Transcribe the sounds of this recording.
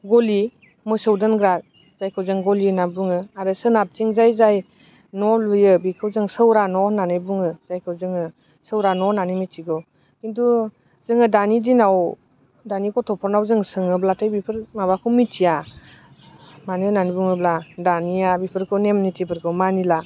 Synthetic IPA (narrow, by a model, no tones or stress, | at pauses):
ɡɔli | mɯsɯwdɯnɡɾat̚ | z̥ajkʰɯwzɯŋɡɔlinabuŋɯaɾɯsɯnap̚tiŋzajzaj | nɔlujɯbikʰɯwzɯŋsɯwɾanɔnanɯjbuŋɯz̥ajkʰɯwzɯŋɯ | sɯwɾanɔnanimitʰiɡɯ | kindu | z̥ɯŋɯdanidinaw | danikɔtʰɔpʰɔɾnawzɯŋsɯŋɯblatʰajbipʰɯɾmabakʰɯwmitʰija | maninanibuŋɯbladanijabipʰɯɾkʰɯwnemnitʰipʰɯɾkʰɯwmanila